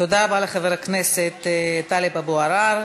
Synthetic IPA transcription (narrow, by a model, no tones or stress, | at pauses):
t̪od̪abaleχaveɾakneset̪ːalebaboaɾaɾ